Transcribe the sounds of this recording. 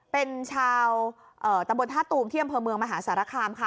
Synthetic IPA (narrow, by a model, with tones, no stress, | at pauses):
pe˧nt͡ɕʰaː˧w | ʔɤː˨˩t̪a˧mbo˧nt̪ʰaː˥˩t̪ːuː˧mt̪ʰiː˥˩ʔa˧mpʰɤː˧mɯ˧əŋmaː˧ɦaː˩˦˥saː˩˦ɾaː˧˩kʰaː˧mkʰa˦˥˩